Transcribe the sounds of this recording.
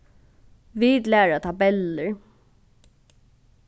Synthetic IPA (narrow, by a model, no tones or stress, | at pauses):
ʋid̪læːɹat̪ʰabɛlːəɹ